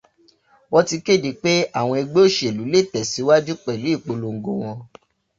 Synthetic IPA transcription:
wɔ˦ti˧ke˦˨di˨˦k͡pe˦a˦˨w̃ɔ̃˧i˧ɡ͡be˦o˦˨ʃe˨lu˨˦le˦˨tɛ˨si˨˦wa˦d͡ʒu˦k͡pɛ˨lu˨˦i˦˨k͡po˧lo˨ŋ̩˨ɡo˨w̃ɔ̃˧

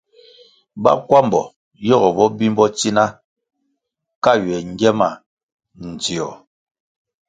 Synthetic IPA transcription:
ba̰˦kwa˦m˨bɔ˨ | jɔ˦˨ɣɔ˨bɔ˦bi˦m˦bɔ˦t͡si˦na˦ | ka˦˨ɥɛ˨ŋ˨˦ɡɛ˦ma˨ | n̩˨d͡zi˨ɔ˨

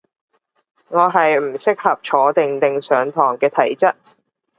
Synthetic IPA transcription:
ŋɔː˨˧ɦɐ˨jm̩˨˩sɪ˥k̚hɐ˨p̚t͡ʃʰɔː˨˧˥t̪ɪ˨ŋt̪ɪ˨ŋsœː˨˧ŋt̪ʰɔː˨˩ŋkɛː˧t̪ʰɐ˨˩jt͡sɐ˥t̚

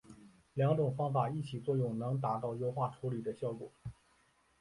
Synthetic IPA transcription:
ljɑ˧˥ŋʈ͡ʂʊ˨˩ŋfɑ˥ŋfa˨˩i˥˩t͡ɕʰi˨˩t͡swɔ˥˧jʊ˥˩ŋnɤ˧˥ŋt̪a˧˥t̪ɑ˥˩ʊjo˥ʊxwa˥˩ʈ͡ʂʰu˧˥li˨˩d̪ə˦ɕjɑ˥˩ʊkwɔ̰˨˩˦

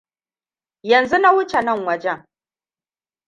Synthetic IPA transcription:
jɐ˨nzu˦na˦wʊ˦t͡ʃe˨nɐ˦˨ŋwɐ˦d͡ʒɛ˦ŋ

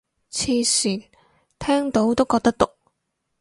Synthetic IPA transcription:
t͡sʰiː˧siː˨˩n | t̪ʰɛː˥ŋt̪o˨˥wt̪o˥wkɔː˧k̚t̪ɐ˥k̚t̪ʊ˨k̚

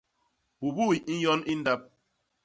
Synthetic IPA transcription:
bu˨bu˦i˨i˦jɔ˦ni˦n̩˦da˦p̚

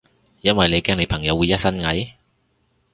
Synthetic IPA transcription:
jɐ˥nwɐ˨jnle˨˧jkɛː˥ŋne˨˧jpʰɐ˨˩ŋjɐ˨˧wu˨˧jɐ˥t̚sɐ˥nŋɐ˨˥j

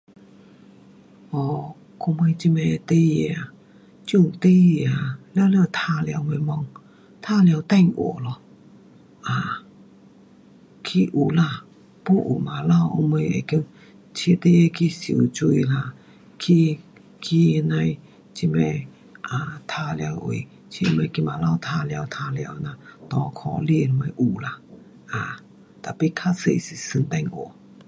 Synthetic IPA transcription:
ɔ˧˩ | ko˧me˧t͡ɕi˧mɛ̃˧t̪e˧˦e˧˨a˨ | t͡ɕjũ˧˩˨t̪e˧˦e˧a˨lja˧˦˧ljt̪ʰa˧lja˧wme˧mɔ˧ŋ | t̪ʰa˧lja˧wt̪a˥˧˨ŋʔo̰˨lɔ˧˩ | ʔa˨ | kʰi˧ʔu˨˦la˧˨ | pu˥˦˨ʔṵ˨˩ma˨la˧˨wo̰˧me˧jḛ˨˩ki˧˦ŋ | t͡ɕʰe˧˦t̪e˧˦˧kʰi˧su˨t͡ɕu˧i˧la˧˨ | kʰi˧ | kʰi˧nã˧j | t͡ɕi˧mɛ̃˧ | ʔa˨t̪ʰa˧lja˧wʔḭ˨ | t͡ɕʰi˧mẽ˧ki˧˨ma˨la˥˧˨wt̪ʰa˧lja˧wt̪ʰa˧lja˧wnã˧˨t̪ɔ˧˦kʰɔ˧˨li˧˨lmẽ˧ʔu˨˩la˧ | ʔã˨ | t̪a˨pi˧˨kʰa˦˧˨sḛ˧˨si˨sɨ˧nt̪a˧˨ŋʔo̰˨

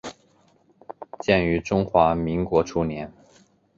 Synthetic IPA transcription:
t͡ɕjɛ˥˩ny˧˥ʈ͡ʂʊ˥ŋxwa˧˥mi˧˥ŋkwɔ˧˥ʈ͡ʂʰu˥njɛ˧˥n

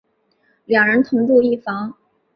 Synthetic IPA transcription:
ljɑ˨˩ŋɻə˧˥nt̪ʰʊ˧˥ŋʈ͡ʂu˥˧i˥˩fɑ˧˥ŋ

